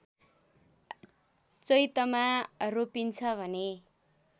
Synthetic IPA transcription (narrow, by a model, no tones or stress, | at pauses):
t͡sʌjt̪ʌmaropint͡sʰʌbʱʌne